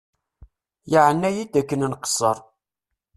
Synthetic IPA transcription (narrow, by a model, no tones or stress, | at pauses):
jaʕənːæjid̪ækːənnqə̥sːəɾˤ